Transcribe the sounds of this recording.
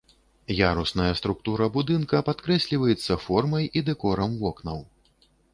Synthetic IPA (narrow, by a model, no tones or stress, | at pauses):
jaɾusnɐjɐst̪ɾuk̚t̪uɾɐbud̪ɨnkɐpat̪kɾɛsʲlʲivɐjɛt̪sːɐfɔrmɐjid̪ɛkɔɾɐmvɔknɐw